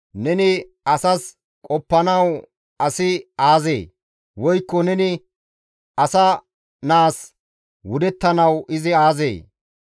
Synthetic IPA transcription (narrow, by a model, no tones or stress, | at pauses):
nɛnɪ | ɐsɐs | kʼɔpːɐnɐw | ɐsɪaːzḛː | wɔjkːɔnɛnɪ | ɐsɐ | naːs | wʊd̪ɛt̪ːɐnɐwɪzɪaːzḛː